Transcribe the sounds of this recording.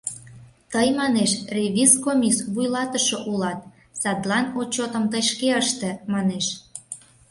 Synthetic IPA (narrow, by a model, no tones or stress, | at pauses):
t̪əjmɑneʃrʲeβʲiskomʲisβujlɑt̪əʃoʔulɑt̪̚ | sɑd̪lɑnot͡ɕot̪ə̆mt̪əʃkeəʃt̪ĕmɑneʃ